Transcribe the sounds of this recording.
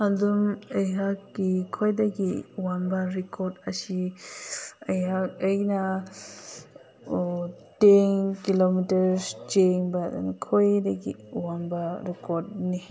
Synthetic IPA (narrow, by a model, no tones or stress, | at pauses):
adumejɦakɡikʰojdaɡiwambaɾikʰoɾdɐsi | ɐjɦakɐjna | tenkilomitɐɾsd͡ʒeŋbada̰nkʰojdɐɡḭuwambaɾikʰoɾd̚ni